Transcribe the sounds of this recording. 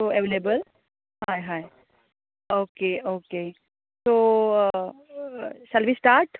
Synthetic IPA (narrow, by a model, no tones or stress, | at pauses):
oeʋelebəl | hajɦaj | oːkeoːkeː | soː | sɐlʋisʈaːɾʈ